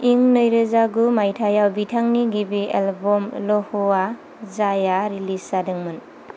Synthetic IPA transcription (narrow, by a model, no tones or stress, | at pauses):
iŋnəjɾɯzaɡumajtʰajawbitʰaŋniɡibiḛlbɔmlɔhɔa | zajaɾilisadɯŋmɯn